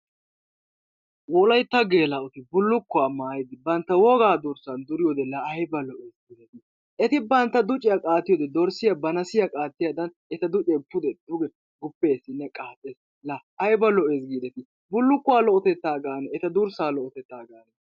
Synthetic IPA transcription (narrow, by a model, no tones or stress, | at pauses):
wɔlɐjt̪ːɐɡe̞ːlɐʊt̪ɪbʊlːʊkːʊaːmaːjɪd̪ɪbɐnt̪ːɐwɔɡaːd̪ʊɾsɐnd̪ʊɾɪjɔd̪ɛlɐːjbɐlɔʔeːsɡiːd̪ɛt̪ɪ | ʔɛt̪ɪbɐnt̪ːɐd̪ʊt͡ʃʼɪjɐkʼaːt̪ːɪjɔd̪ɛd̪ɔɾsɪjɐbɐnɐsɪjɐkʼaːt̪ːɪjad̪ɐn | ɛt̪ɐd̪ʊt͡ʃʼɛpːʊd̪ɛd̪ʊɡɛ | ɡʊpːe̞ːsːɪnːɛkʼaːt̪ʼːeːs | lɐːjbɐlɔʔe̞ːs̬ɡiːd̪ɛt̪ɪ | bʊlːʊkːʊwaːlɔʔɔt̪ɛt̪ːaːɡaːnɛɛt̪ɐd̪ʊɾsaːlɔʔɔt̪ɛt̪ːaːɡaːnɛ